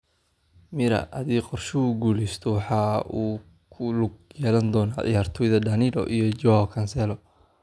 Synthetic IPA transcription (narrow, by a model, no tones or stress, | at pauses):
mɪɾɐ̰ʔɐðiːqɔrʃʊʊɡuːlɛst̪ʰɔwɑħɑːuː | kʰʊlʊɡ̚jjɛːlɐnd̪ɔːnaɐ̰jaːrt̪ʰɔːjðɐd̪ɐnɪlɔ̰ʔijɔd͡ʒɔhɔkʰɐnsɛlɔ